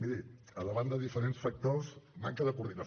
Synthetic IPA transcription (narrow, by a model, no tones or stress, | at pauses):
miɾi | ələβand̪əðifəɾensfək̚t̪osma̰ŋkəðəkuɾðinə